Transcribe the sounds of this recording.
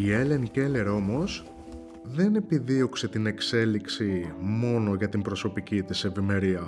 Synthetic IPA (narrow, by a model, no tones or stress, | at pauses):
iele̞ŋce̞le̞ɾo̞mo̞s | ðe̞ne̞piðio̞kse̞t̪ine̞kse̞liksimo̞no̞ʝɐt̪imbɾo̞so̞picit̪ise̞vime̞ɾiɐ